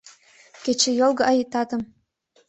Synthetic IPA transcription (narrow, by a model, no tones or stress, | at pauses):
kʲet͡ɕĕjolˠɡɤ̆ʔɑjit̪ɑt̪ɤ̆m